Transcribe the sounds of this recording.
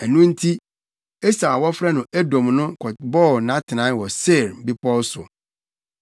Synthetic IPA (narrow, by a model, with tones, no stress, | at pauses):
ɛ˨nũ˦n̩˦tʰi˦ | e˦sa˨wɔ˦fɾɛ˦nʊ̃˨ʔæ˦dõ˨mnʊ̃˦kʰɔ˨bɔ˦˨nã˦tʰɪ˨nã˨˦wɔ˨se˦˨ɾm̩˨bi˦pʰɔ˦sʊ̰˨